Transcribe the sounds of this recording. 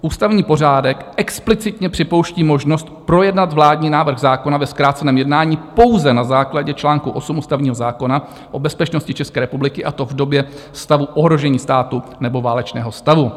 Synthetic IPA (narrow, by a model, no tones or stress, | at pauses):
ʔuːst̪avɲiːpo̞r̝aːdɛkʔɛksplɪt͡sɪt̪ɲɛpr̥ɪpo̞wʃciːmo̞ʒno̞st̪pɾo̞jɛdnat̪vlaːdɲiːnaːvr̩ɣzaːkonavɛskɾaːt̪t͡sɛnɛːmjɛdnaːɲiːpo̞wzɛnazaːklaɟɛt͡ʃlaːŋkuʔo̞sumuːst̪avɲiːɦo̞zaːko̞na | ʔo̞bɛspɛt͡ʃno̞scɪt͡ʃɛskɛːɾɛpublɪkɪʔat̪o̞vdo̞bjɛ | st̪avuʔoɦɾo̞ʒɛɲiːst̪aːt̪unɛbo̞vaːlɛt͡ʃnɛːɦo̞st̪avu